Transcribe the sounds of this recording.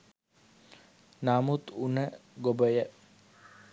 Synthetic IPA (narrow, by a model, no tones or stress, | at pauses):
naːmut̪unəɡobəjə